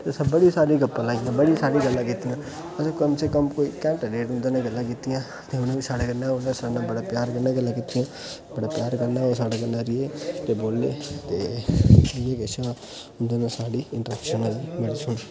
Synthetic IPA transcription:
t̪esɐbəɽisaːɽiɡɐpːãlaːɡijãbəɽisaːɽiɡəlːãkit̪ijãː | ɐsakəmsekəmkoːikɛ̃ːɳʈaɾeːʈʊ̃nd̪anaɡəlːãkit̪ijãː | t̪eʊnẽbisaːɽaɡɐɾnaʊnãsaɽnabɐɽapjaːɾkənaɡəlːãkit̪ijãː | bɐɽapjaːɾkɐɾnaosaːɽakɐnaɾijet̪eboːlːet̪e | ɾijekesaː | ʊnd̪anasaːɽiɪ̃ɳʈəɾɛkʃənəlmeɽit͡ʃʰu

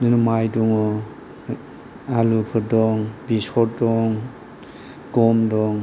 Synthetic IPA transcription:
lumajduŋɔ | alukʰɯdɔŋbisɔɾdɔŋ | ɡ̥ɔmdɔŋ

